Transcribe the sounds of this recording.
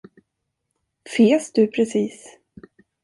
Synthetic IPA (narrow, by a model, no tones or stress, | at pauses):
feːsd̪ɵpʰɾɛsiːs